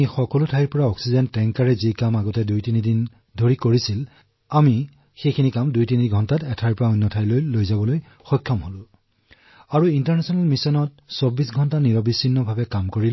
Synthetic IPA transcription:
ixɔkɔlʊtʰaiɹpɔɹaɔksizɔntɛŋkaɹɛzikamaɡɔtɛdujtinidin | dʱoɹikoɹisil | ami | xejkʰinikamdujtiniiɡʱɔntatɛtʰajɹpɔɹaɔjnːɔtʰajlojlojzabɔloj | xɔjkʰːɔmɦolʊ̃ | aɹuintaɹnɛsɔnalmisɔnɔt̚sobisɡʱɔntaniɹɔbisːinːɔbʱabɛkamkoɹil

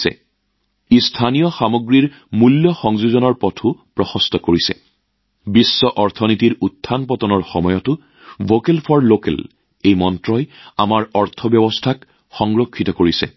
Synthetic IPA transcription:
sɛ̰ | istʰanijɔxamoɡɹiɹ | muljɔxɔŋzuzɔnɔɹpɔtʰupɹɔxɔstɔkoɹisɛ̰ | bisːɔʔɔɹtʰɔnitiɹutʰːanpɔtɔnɔɹxɔmɔjɔtʊ | vokelpʰɔɹlokɛ̰l | ejmɔntɹɔjamaɹɔɹtʰɔbjɔbɔstʰak | xɔŋɹokʰːitɔkoɹisɛ̰

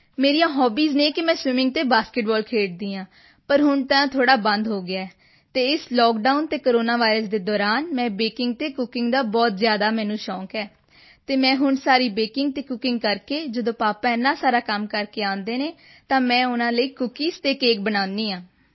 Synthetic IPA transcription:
meːɾiːjãːɦɔːbiːzneːkɪmɛ̃ːswɪmɪ̃ŋɡ̚t̪eːbaːskeʈbɔːlkʰeːʈ̚d̪ĩːãː | pəɾɦʊɳt̪ãːt̪ʰoːɽaːbə̃nd̪ɦoːɡɪaːɛː | t̪eːɪslɔːkɖaːʊnt̪eːkoɾoːnaːʋaːɪɾəsd̪eːd̪ɔːɾaːnmɛ̃ːbeːkɪŋɡ̚t̪eːkʊkɪŋɡd̪aːbɔːt̪zjaːd̪aːmɛ̃ːnũːʃɔ̃ːkɛː | t̪eːmɛ̃ːɦʊɳsaːɾiːbeːkɪŋɡ̚t̪eːkʊkɪ̃ŋɡ̚kəɾkeːd͡ʒəd̪õːpaːpãːɪnːãːsaːɾaːkəmkəɾkeːãːnd̪eːneː | t̪ãːmɛ̃ːʊnãːləiːkʊkiːst̪eːkeːk̚bənãːnd̪ĩːãː

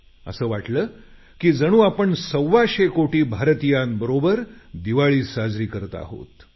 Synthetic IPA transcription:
ə̰səːʋaʈləː | kiːd͡zəɽ̃uːapəɳsəʋːaɕekoʈiːbʱaɾt̪ijãnbəɾobəɾd̪iʋaɭiːsad͡zɾiːkəɾt̪a̰ːɦo̰t̪

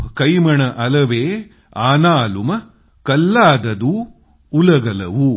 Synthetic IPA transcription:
kɐjmɐɳɐʔɐlɐʋeː | aːnaːlumɐ | kɐlːaːd̪ɐd̪uː | lɐɡɐlɐ̰ʋu

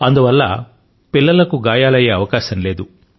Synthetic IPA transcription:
ɐnd̪uʋɐlːɐ̰ | pilːɐlɐkuɡaːjaːlɐje̞ːɐʋɐkaːʃɐmle̞ːd̪u

